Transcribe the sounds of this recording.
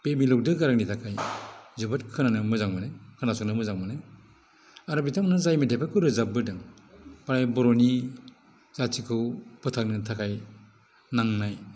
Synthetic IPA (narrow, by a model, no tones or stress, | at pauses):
pemilɔk̚dɯɡaɾak̚nitʰakʰajzɯbɯtkʰɯnanɯmɯzaŋmɯnakʰɯnasɔknɯmɯzaŋmanɯ | aɾɔbitʰamnɯzajmedʰapʰakʰɯwɾɯzabɯdɯŋ | paɾajbɔɾɔni | zasʰikʰɯwpʰɯtʰak̚nɯtʰakʰaj | naŋnaj